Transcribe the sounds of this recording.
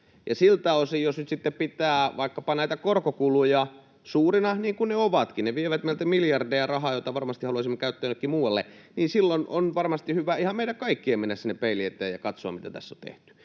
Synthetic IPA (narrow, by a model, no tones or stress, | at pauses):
jɑ̰silt̪æosijjosnyt̪sit̪ːeppit̪æːʋɑikːɑpɑnæit̪ækorkokulujɑ | suːrinɑniːŋkunneoʋɑt̪kineʋieʋæt̪meilt̪æmiljɑrdejɑrɑhɑːjot̪ɑʋɑrmɑst̪ihɑluɑsimːekæyt̪ːæønlːekːimuːwɑlːḛniːnsilːonʔo̰nʋɑrmɑst̪ihyʋæihɑmmeiæŋkɑikːiemenːæssinːepeiliet̪ːˑḛːjjɑkɑt̪soɑ̰mit̪æt̪æ̰sːo̰t̪ḛht̪y̥